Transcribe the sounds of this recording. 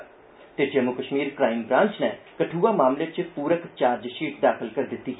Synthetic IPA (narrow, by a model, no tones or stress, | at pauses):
t̪ed͡ʒəmʊkəʃmiːɾkɾaːɪmbɾãːnt͡ʃnɛːkəʈʰuːaːmaːmlet͡ʃpuːɾəkt͡ʃaːɾd͡ʒʃiːʈd̪aːkʰəlkəɾd̪ɪt̪ːiː